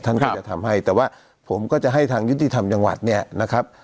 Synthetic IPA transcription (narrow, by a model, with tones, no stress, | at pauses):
t̪ʰa˥˩nkɔ˥˧˩t͡ɕa˨˩t̪ʰa˧mɦa˥˩jt̪ɛː˨˩waː˥˩ | pʰo˩˦mkɔː˥˩t͡ɕa˨˩ʔɦa˥˩jt̪ʰaː˧ŋju˦˥t̪ːi˨t̪ʰa˧mt͡ɕa˧ŋwa̰˨˩t̪̚ni˥˩ɐna˦˥kʰɾa˦˥p̚